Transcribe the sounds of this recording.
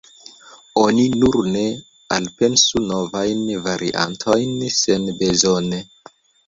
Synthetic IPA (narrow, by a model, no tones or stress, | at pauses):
o̞ninuɾne̞ | a̰lpe̞nsuno̞vajnvaɾʔḭʔa̰ntʰo̞jnse̞nbe̞zone